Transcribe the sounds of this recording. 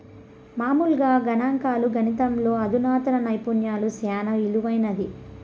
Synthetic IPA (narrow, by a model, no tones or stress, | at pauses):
maːmulɡaːɡɐnaːŋkaːluɡʱɐnit̪ɐmlo̞ːɐd̪unaːt̪ɐnɐnɐjpunjaːlusjaːnɐiluʋɐjnɐd̪i